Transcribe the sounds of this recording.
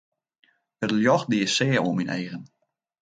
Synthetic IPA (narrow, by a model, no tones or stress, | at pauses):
ətljɔxdiːəsɛːəoəminʔḛːɣən